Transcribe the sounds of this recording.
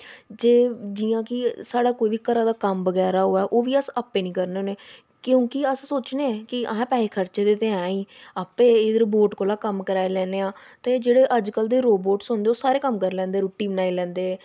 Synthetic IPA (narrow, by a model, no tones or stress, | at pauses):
d͡ʒeːd͡ʒiːãːkɪsaːɽaːkoːiːʋiːkəɾãːd̪aːkəmbəɡɛːɾaːɦoːɛːʔoːʋiːəsaːpːeːnĩːkəɾneoːneː | kjõːkɪəssoːt͡ʃneːɛ̃ːkɪə̰ɦãːpɛːeːkʰəɾt͡ʃeːd̪eːt̪eãːiːaːpeːɪd̪əɾboːʈkoːlaːkəmkəɾaːelɛ̃ːneːãːt̪eːd͡ʒeːɽeːʔəd͡ʒkəld̪eːɾoːboːʈsɦʊ̃nd̪eːoːsaːɾeːkəmkəɾlɛ̃ːnd̪eːɾoːʈːiːbənaːilɛ̃ːnd̪eː